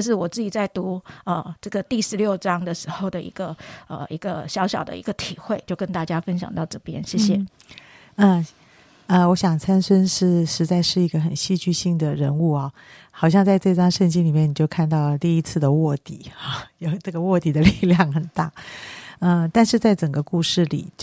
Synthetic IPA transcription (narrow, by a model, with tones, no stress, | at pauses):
ʂ̬ɻ̩˥˩wɔ˨˩t͡sɹ̩˥˩t͡ɕi˨˩t͡sa˥˩ɪt̪u˧˥ə˧ʈ͡ʂɤ˥˩ɡə˩t̪i˥˧˩ʂɻ̩˧˥ljo˥˩ʊʈ͡ʂɑ˥ŋd̪ə˨ʂɻ̩˧˥xo˥˩ʊd̪ə˩ḭ˧˥ɡ̥ə˧ə̰˩i˧˥ɡə˧ɕjɑ˧˥ʊɕjɑ̰˨˩ʊd̪ə̰˦ḭ˧˥ɡə˧t̪ʰi˨˩xwe˥˧ɪt͡ɕjo˥˧ʊkə˥nt̪a˥˩t͡ɕja˥fə˥nɕjɑ̰˨˩ŋt̪ɑ˥˩ʊʈ͡ʂɤ˥˩pjɛ̰˥nɕjɛ˥˩ɕjɛ˥˨ | ə˥˧ | ə˧wɔ˧˥ɕjɑ˨˩ŋt͡sʰa˥nʂə˥nʂɻ̩˥˩ʂɻ̩˧˥t͡sa˥˧ɪʂɻ̩˥˩i˧˥ɡə˧xə˨˩nɕi˥˧t͡ɕy˥˧ɕi˥˩ŋd̪ə˩ɻə˧˥nu˥˩ɐ˩ | xɑ˨˩ʊɕjɑ˥˧ŋt͡sa˥˧ɪʈ͡ʂɤ˥˧i˧˩ʈ͡ʂɑ˥ŋʂə˥˧nt͡ɕi˥ŋli˨˩mjɛ˥˩ni˨˩t͡ɕjo˥˧ʊkʰa˥˧nt̪ɑ˥˩ʊt̪i˥˧i˥t͡sʰɹ̩˥˩d̪ə˩wɔ˥˩t̪ḭ˨˩˦ɑ˥˩jo˨˩ʊʈ͡ʂɤ˥˩ɡə˩wɔ˥˩t̪i˨˩d̪ə˦li˥˧ljɑ˥˩ŋxə˨˩nt̪a˥˩ | ə˧t̪a˥˧nʂɻ̩˥˧t͡sa˥˩ɪʈ͡ʂə˨˩ŋɡə˦ku˥˧ʂɻ̩˥˩lḭ˨˩t͡ɕ